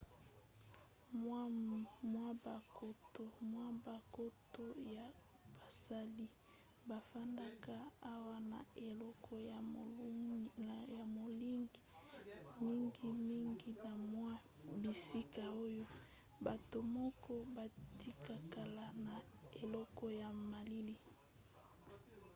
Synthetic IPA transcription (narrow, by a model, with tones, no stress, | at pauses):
m˦mwa˦ba˨ko˦to˨mwa˦ba˨ko˦to˦ja˨ | b̥a˨sa˦li˦ | ba˨fa˦nda˦ka˦a˦wa˦na˨e˨lɔ˦kʰɔ˦ja˨˦ | ja˨mo˨li˦ŋɡi˨ | mi˦ŋɡi˦mi˦ŋɡi˦na˨mwa˦ | bi˨si˦ka˨o˦jo˦ | ba˨to˨mɔ˦kɔ˦ba˨ti˦ka˨ka˨la˨na˨e˨lɔ˦kɔ˦ja˨ma˨li˦li˦